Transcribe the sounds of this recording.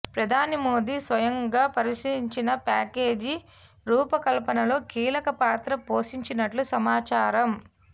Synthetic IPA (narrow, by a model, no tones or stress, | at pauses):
pɾɐd̪ʱaːnimo̞ːd̪iːsʋɐjɐŋɡaːpɐɾiʂiɾiɲt͡ʃinɐpaːke̞ːd͡ʒi | ɾuːpɐkɐlpɐnɐlo̞ːkiːlɐkɐpaːt̪ɾɐpoːʃiɲt͡ʃinɐʈlusɐmaːt͡ʃaːɾɐm